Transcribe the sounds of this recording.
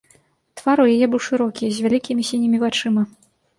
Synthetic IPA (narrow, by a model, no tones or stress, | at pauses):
t̪v̥aɾujajɛbɨwʂɨɾɔkʲizʲvʲalʲikʲimʲisʲinʲimʲivat͡ʂɨmɐ